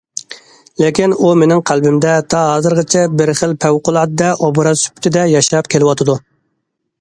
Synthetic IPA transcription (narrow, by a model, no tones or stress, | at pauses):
lekʲinumenɪŋqʰælbɪmd̪ɛt̪ʰɑɦɑːzɨɾʁət͡ʃʰɛbɪɾχəlpʰæwqʊlˠɑd̪d̪ɛʔobuɾɑsy̥pʰɪ̥t̪ʰɪd̪ɛjɑʃɑpkʲʰelɪwɑt̪ʰɨd̪u